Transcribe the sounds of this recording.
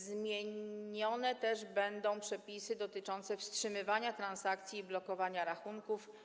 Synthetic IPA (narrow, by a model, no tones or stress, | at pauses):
zmʲjeɲɔnɛt̪ɛʐbɛnd̪ɔ̃w̃pʂɛpʲisɘd̪ɔt̪ɘt͡ʂɔnt̪sɛfstʂɘmɘvaɲat̪ɾansak̚t̪sʲjiːblɔkɔvaɲaɾaxuŋkuf